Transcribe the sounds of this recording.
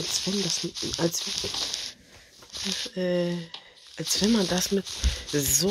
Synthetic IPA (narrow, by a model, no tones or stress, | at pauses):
alsvɛndasmɪʔalsvɛ | ʔɛː | ʔalsv̥ɛnmandasmɪtzo